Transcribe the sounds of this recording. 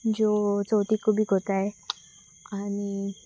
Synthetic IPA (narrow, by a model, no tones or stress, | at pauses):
d͡zot͡sɔwt̪ikobʱiːɡʱot̪ae | ani